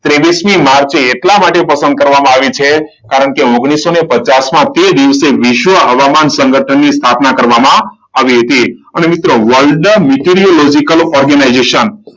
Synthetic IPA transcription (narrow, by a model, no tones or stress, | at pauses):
t̪ɾeʋismimaɾt͡ʃeːʈlamaʈepəsə̃nd̪̚kəɾʋamãaʋit͡ʃʰe | kaɾəɳkeoɡɽ̃isːonepət͡ʃasmãt̪ed̪iʋseʋɪʃʋəɦəʋamansəŋɡʱəʈʰənːist̪ʰapnakəɾʋamã | aʋiɦət̪iənemit̪ɾoʋəɭɖmiʈiɾiolod͡ʒikəlɔɾɡənajd͡ʒeʃən